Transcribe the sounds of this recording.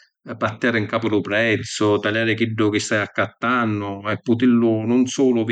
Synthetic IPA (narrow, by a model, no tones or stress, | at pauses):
pat̪ːjaːɾɪŋkaːpʊlʊpɾɛt̪sːʊt̪aljaːɾɪkiɖːʊk̟ɪst̪ajakːat̪ːanːʊɛpːʊt̪ilːʊnʊnsuːlʊv